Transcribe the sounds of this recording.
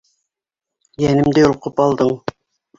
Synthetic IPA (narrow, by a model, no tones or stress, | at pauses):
jænɘ̆md̪ɘjŭlqɤpɑlˠd̪ɤɴ